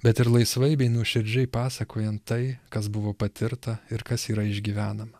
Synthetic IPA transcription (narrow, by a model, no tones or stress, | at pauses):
bʲɛt̪ɪɾlˠɐɪsʋɐɪbʲɛɪnuʃʲɪɾʲd͡ʒʲɛɪpɑːsɐkʰoːjɛnt̪ːɐɪkɐs̬bʊʋoːpɐt̪ʲɪɾt̪ɐɪɾkɐsiːɾɐɪʒʲɡʲiːʋʲæːnɐmɐ